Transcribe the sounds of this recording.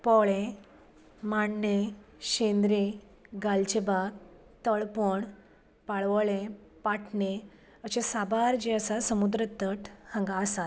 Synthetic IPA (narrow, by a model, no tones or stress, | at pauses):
pɔɭẽ | maɳːeɕẽnd̪ɾe | ɡalt͡ɕebaɡ | t̪əɭpoɳ | paɭʋəɭẽpaʈʰɳe | əɕesabaɾd͡ʑeəsasəmud̪ɾət̪əʈʰhə̃ŋɡaəsat̪̚